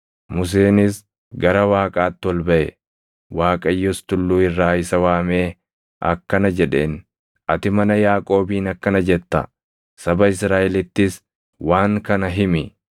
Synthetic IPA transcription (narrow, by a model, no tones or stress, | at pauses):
mʊs̬eːnɪs | ɡɐɾɐwaːkʼaːt̪ːɪɔlbɐʔɛ | waːkʼɐjːɔst̪ʊlːuːɪrːaːɪsɐwaːmeː | ɐ̰kːɐnɐd͡ʒɛᶑe̞̰ːn | ʔɐt̪ɪmɐnɐjaːkʼo̞ːbiːnɐkːɐnɐd͡ʒɛt̪ːɐ̰ | sɐbɐɪsɾaːʔɛlɪt̪ːɪs | waːŋkɐnɐɦɪmɪ